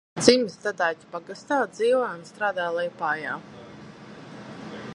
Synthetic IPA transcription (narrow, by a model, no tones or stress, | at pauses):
d̪z̥imzd̪ad̪aːt̪ʲi̥paɡast̪aːd̪ziːvɔjunst̪ɾaːd̪aːlˠɛjpaːjaː